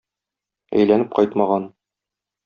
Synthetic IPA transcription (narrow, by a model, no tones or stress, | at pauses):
æ̰jlænɘp̚qɒjt̪mɑʁɑn